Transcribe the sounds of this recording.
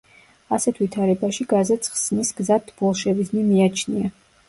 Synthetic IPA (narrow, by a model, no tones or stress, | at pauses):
asɛt̪ʰvit̪ʰaɾɛbaʃiɡazɛt̪sʰχsnisɡzat̪ʰbɔlˠʃɛvid̪znimiat͡ʃʰnia